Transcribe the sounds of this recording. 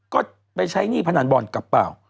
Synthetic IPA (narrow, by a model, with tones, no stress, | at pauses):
kɔː˥˩ | pa˧jt͡ɕʰa˦˥jniː˥˩pʰa˧naː˩˦nbɔː˨˩nka˨˩pːaː˨˩w